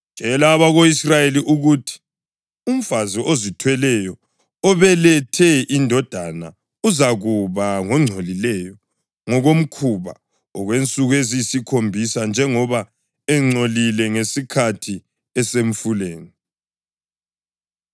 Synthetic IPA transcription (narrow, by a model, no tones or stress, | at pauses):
t͡ʃʼɛlaːβaɣoisrajeliʔuɣutʰi̥ | um̩faziʔozitʰwɛlɛjɔ | ɔβɛlɛtʰɛʔindʱɔd̥ʱana | uzaɣuβaŋɔŋ͡ǀʱolilɛjɔ | ŋɔɣom̩kʰuβa̰ | ɔɣwent͡sʼuɣezisikʰombʱisand͡ʒʱɛŋɔβa | ɛŋ͡ǀʱolilɛŋesikʰatʰi | ɛsem̩fuleːni